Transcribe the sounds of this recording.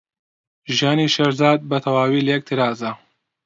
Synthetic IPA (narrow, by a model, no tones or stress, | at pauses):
ʒjaːniːʃɐɾzaːd̪̚bɐt̪ʰɐwaːwiːlɐjɛk̚t̪ʰɨɾaːzɐ